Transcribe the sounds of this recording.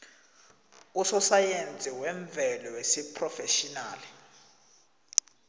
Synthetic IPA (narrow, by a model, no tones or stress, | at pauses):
usɔsajend͡zʱiwɛɱb̪vʱɛlɔwesipʰʼrɔfeʃinaːli